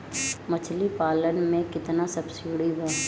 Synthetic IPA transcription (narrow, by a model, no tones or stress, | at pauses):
mɐt͡ʃʰlipaːlənmẽkɪt̪nasɐbsiɽiba